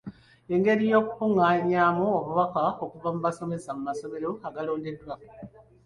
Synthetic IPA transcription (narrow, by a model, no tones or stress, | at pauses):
e̞ŋɡe̞ɾijo̞ːkukuŋaɲaːmuoβuβakao̞kuvamuβaso̞me̞samumaso̞me̞ɾo̞aɡalo̞ːnde̞dːwa